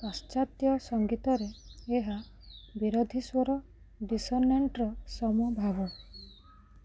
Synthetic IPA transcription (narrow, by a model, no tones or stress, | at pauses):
tɔst͡ʃat̪jɔsɔŋɡit̪ɔɾeeɦa | biɾod̪ʱiswɔɾɔ | ɖisɔnːeɳʈɾɔsɔmuɔbʱabɔ